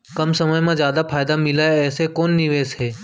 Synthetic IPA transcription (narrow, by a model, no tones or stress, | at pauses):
kəmsəməjmãzjaːd̪apʰaːjd̪amɪlaːeɛːsekoːnːɪʋeːsɦeː